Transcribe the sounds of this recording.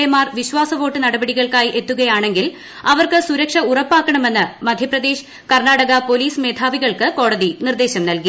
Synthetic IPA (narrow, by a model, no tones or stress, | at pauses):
ejmaːrʋiɕʋaːsɐʋo̞ːʈːɨnɐɽɐbɐɽiɣɐɭkaːjʔe̞t̪ːuɣɐjaːɳe̞ŋɡil | ɐʋɐrkɨsuɾɐkʂɐurɐpːaːkːɐɳɐme̞nːɨmɐd̪ʱjɐprɐd̪e̞ːɕ | kɐrnaːɽɐɣɐpo̞liːsme̞ːd̪ʰʱaːʋiɣɐɭkɨko̞ːɽɐðinird̪e̞ːɕɐmnɐlki